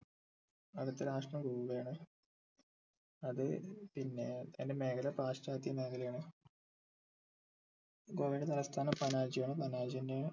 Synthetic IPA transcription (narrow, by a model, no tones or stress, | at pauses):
ɐðɐt̪ːɨɾaːʂʈrɐmɡuːʋɐjaːɳɨ | ɐðɨpinːe̞ende̞meːkʰɐlɐpraːʂʈaːt̪jɐme̞ːkʰɐljaːɳɨ | ɡo̞ːʋinɖet̪ɐlɐst̪ʰaːnɐmpɐnaːd͡ʑijaːɳɨpɐnaːd͡ʑijinde